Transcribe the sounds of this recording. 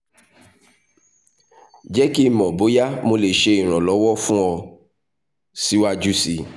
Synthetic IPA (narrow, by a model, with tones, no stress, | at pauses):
d͡ʒɛ˦ki˦˨mɔ̃˨bo˨˦ja˦mo˧le˨ʃe˧i˨ɾ̃ɔ̃˨lɔ˨˦wɔ˦fũ˦ɔ˧ | si˦wa˦d͡ʒu˦si˨˧